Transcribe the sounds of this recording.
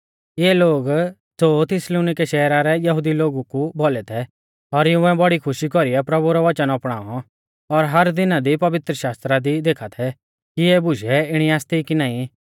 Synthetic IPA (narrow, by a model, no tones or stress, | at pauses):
jɛɛloːɡ | sot̪ʰɪsloːnɪkɛʃɛːɾaɾɛjɐɦʊd̪iloːɡukubolɛt̪ʰɛ | ɔɾɪũɛbɐɽikʰʊʃikɔɾiɛpɾɐbuɾɔʋɐt͡ʃənɔpɽ̃aːɔ | ɔɾɦɐɾd̪ɪnad̪ipɐʋɪt̪ɾəʃaːst̪ɾad̪id̪eːkʰat̪ʰɛ | kiɛbʊʃɛɪɽ̃iaːst̪ikinaːĩ